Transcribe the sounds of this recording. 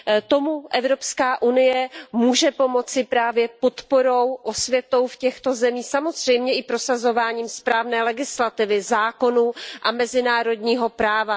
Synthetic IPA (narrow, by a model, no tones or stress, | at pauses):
t̪o̞muʔɛvɾo̞pskaːʔunɪjɛmuːʒɛpo̞mo̞t͡sɪpɾaːvjɛpo̞t̪poɾowʔosvjɛt̪o̞wfcɛxt̪o̞zɛmiːxsamo̞zr̝̥ɛjmɲɛʔɪpɾo̞sazo̞vaːɲiːmspɾaːvnɛːlɛɡɪslat̪ɪvɪzaːko̞nuʔamɛzɪnaːɾo̞dɲiːɦo̞pɾaːva